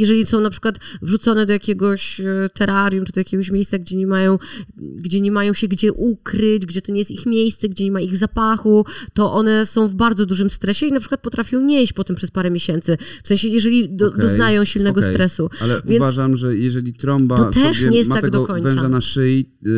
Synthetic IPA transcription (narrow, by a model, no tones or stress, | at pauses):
jɛʐɛlʲisɔ̃w̃napʂɘkwat̪vʐut̪sɔnɛd̪ɔjakʲɛɡɔɕt̪ɛɾaɾjumt͡ʂɨd̪ɔjakʲeɡɔɕ̬mʲejssaɡd͡ʑɛɲɛmajɔ̃w̃ɡd͡ʑɛɲɛmajɔ̃w̃ɕɛɡd͡ʑɛʔukɾɘd͡ʑɡd͡ʑɛt̪ɔɲɛjɛst̪ixmʲjejst̪sɛɡd͡ʑɛɲɛmaiɣzapaxut̪ɔʔɔnɛsɔ̃w̃vbaɾd̪zɔd̪uʐɘmst̪ɾɛɕɛinapʂɘ̥kwat̪̚pɔt̪ɾafʲjɔ̃w̃ɲeɕt͡ɕpɔt̪ɛmpʂɛspaɾɛmʲjeɕɛnt̪sɘfsɛ̃ɕɛjɛʐɛlʲid̪ɔd̪ɔznajɔ̃w̃ɕilnɛɡɔst̪ɾɛsualɛvʲjɛnvaʐamʐɛjɛʐɛlʲit̪ɾɔmbaɔt̪ɛʂɲɛjɛst̪ːaɡd̪ɔkɔɲtvɛsaanaʂɘi